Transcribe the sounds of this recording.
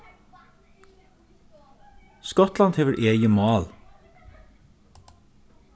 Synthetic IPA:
skɔt̪lɑnt̪ʰeːʋəɾʔeːjəmɑːl

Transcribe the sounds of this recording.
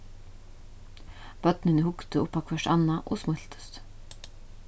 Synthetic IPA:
pœt̪nɪnɪhʊkt̪ɪʊpːakʰvɛʂʈa̰nːaʔɔsmʊl̥t̪ʏ̥st̪

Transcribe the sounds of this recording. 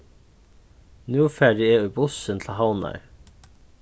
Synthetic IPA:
nʉːfæːɖɪɛːʉbʊsənt̪ʰlɦawna̰ɹ

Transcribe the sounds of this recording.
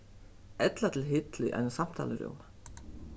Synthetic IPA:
ɛt̪lat̪ʰɪlɦɪt̪lʏʔa̰jnasam̥t̪ʰa̰ːləɾʊ̰m

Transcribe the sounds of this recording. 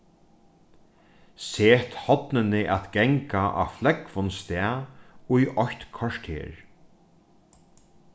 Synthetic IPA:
seːt̪hɔt̪nɪnɪʔæt̪ɡɛŋkaʔa̰flɛkvʊnst̪ɛaujʔɔçt̪kʰɔʂt̪hḛːɹ

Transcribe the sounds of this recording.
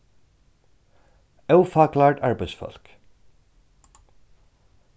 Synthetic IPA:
œwfaːklaːɹʈaɹbæɪsfœ̰l̥k

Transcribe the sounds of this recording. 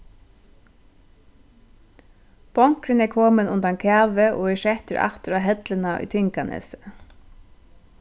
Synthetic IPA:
b̥ɔŋ̥kɾɪnɛkʰɔːmɪnʊnt̪ankʰæːʋɪʔɔ̰ɛʃɛht̪ɪɾʔa̰ht̪ɪɾaɦɛt̪lɪnaʔʊ̰jt̪ʰɪŋkanɪ̰s

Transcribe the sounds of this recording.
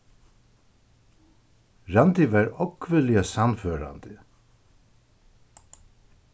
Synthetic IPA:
ɹant̪ɪʋaɹɔkʰːvɪlɪasamføːɾa̰nd̪ɪ

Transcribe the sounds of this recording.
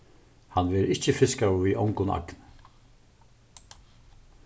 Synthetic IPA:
hanvɛːɾɪht͡ʃəfɪskawviʔɔ̰wŋkʊna̰kn

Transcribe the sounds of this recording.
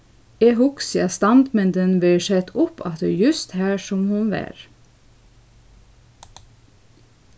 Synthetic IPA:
eːhʊksjɑst̪ɑnd̪mɛnd̪ɛnʋɪʃɛt̪ʊpʰɑ̰t̪ə̰jʉst̪hæːʃɔmhʉnʋæ̰ːɾ

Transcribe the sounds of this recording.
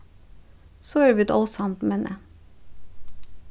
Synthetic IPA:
soːøʋit̪ɔlsɑmt̪mɛnʔə̰

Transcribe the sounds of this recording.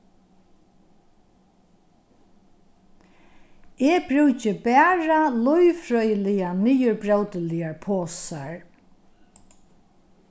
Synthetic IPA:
ɛːbɾʉːt͡ʃɪbæːɹalʊjffɾɔjlɪjaniːəɹbɹawt̪əlɪjaɹpʰoːsaɹ

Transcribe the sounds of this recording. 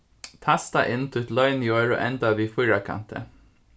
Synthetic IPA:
t̪ʰast̪aʔɪnt̪ʰɪʊt̪lœʏnjoːɹo̰ːʔɛnt̪aʋiːfʊjɹakʰa̰nt̪ə̰

